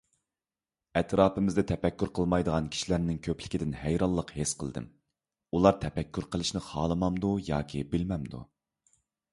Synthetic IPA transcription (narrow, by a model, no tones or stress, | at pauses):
ɛt̪ɾɑːpɨmɪzd̪ɛt̪ʰɛpɛkʲːyɾqʰəlˠmɑjd̪əʁɑnkʲʰi̥ʃilæɾnɪŋkʲʰøpʰlɪkʲid̪ɪnhæjɾɑlˠːəqhesqʰəlˠd̪ɨ̰m | ulˠɑɾt̪ʰɛpɛkʲːyɾqʰəlˠɨʃnɪχɑːlˠəmɑmd̪ujɑ̰ːkʲʰibɪlmɛmd̪ṵ